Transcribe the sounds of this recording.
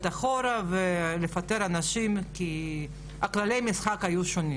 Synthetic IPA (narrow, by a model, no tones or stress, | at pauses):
t̪aχoɾavele̞fat̪eɾanaʃimki | aklale̞jmisχakajuʃoni